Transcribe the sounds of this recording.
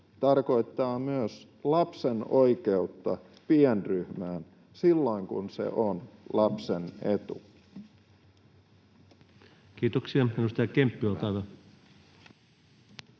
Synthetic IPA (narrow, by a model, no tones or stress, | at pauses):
t̪ɑrko̞it̪ːɑːmyøs | lɑpsenoike̞ut̪ːɑ̰ | pienryhmæːn | silːo̞iŋkṵnsḛʔonlɑpsenet̪ṵ | kiːt̪oksiɑmenust̪ɑjɑkempːiolt̪ɑʋɑ